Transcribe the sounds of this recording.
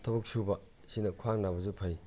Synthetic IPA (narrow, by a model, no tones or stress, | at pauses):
tʰɐbɐk̚subɐ | sinɐkʰwaŋnabɐzupʰɐj